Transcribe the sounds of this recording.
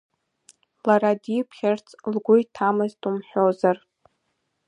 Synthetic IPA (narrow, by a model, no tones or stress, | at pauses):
laɾadipʰχʲart͡sʰʼlɡʷʊjtʰamɨztʰʼumħʷᶣozar